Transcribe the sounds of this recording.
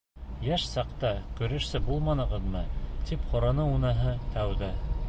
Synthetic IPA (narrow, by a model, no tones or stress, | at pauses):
jæʃsɑqt̪ɑkɵ̆ɾɘ̆ʃsɘbulˠmɑnɤ̆ʁɤ̆ðmɤt̪ipχŏɾɑnɤunɤɦɤt̪æwðæ